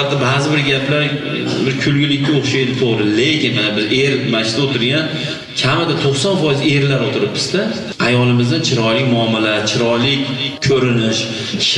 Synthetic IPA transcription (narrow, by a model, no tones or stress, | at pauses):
at̪ːabazɪbɪɾɡʲapʰlaɾ | bɪɾkʲʰʊlɡʲɪlɪkʲːaoχʃajd̪ɪt̪ʰoʁɾɪle̞kʲɪnabɪɾʔe̞ɾmaɪt̪aot̪ʰɪɾɡʲan | kʲʰamɪd̪at̪ʰoχsɒnfɒjɪze̞ɾlaɾot̪ʰɪɾɪp̚bɪ̥zd̪a | ajɒlɪmɪzd̪ant͡ʃʰɪɾɒjlɪkʲmʊamːalaɾt͡ʃʰɪɾɒjlɪkʲkʰɵɾɪnɪʃ